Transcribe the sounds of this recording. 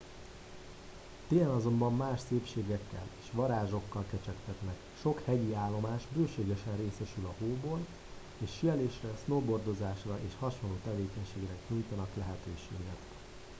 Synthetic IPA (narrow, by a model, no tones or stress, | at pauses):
t̪eːɛnɒzo̞mbɒmːaːʃseːpʃeːɡɛkːɛ̰le̥ːʃʋɒɾaːʒo̞kːɒlkɛt͡ʃɛkt̪ɛt̪nɛk | ʃo̞khɛɟiaːlːo̞maːʃbøːʃeːɡɛʃɛnreːsɛʃylɒɦoːboːl | eːʃːijɛleːʃrɛsnoːbo̞rd̪o̞zaːʃrɒʔeːʃhɒʃonlːoːt̪ɛveːkɛɲʃeːɡɾɛkɲujt̪ɒnɒklɛɦɛt̪øːʃeːɡɛt̪